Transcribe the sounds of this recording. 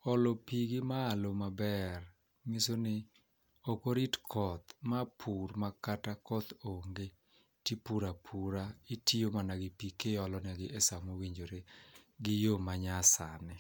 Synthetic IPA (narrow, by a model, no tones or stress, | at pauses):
ɔlopiɡɪmaːlomabɛr | misonɪ | okoɾitkʰɔt̪mapʰurmakatakɔt̪oŋɡe | tipuɾapʰuɾaitiomanaɡɪpikeɔlɔnɛɡɪʔɛsamowiɲd͡ʒoɾeɡɪjomaɲasanɪ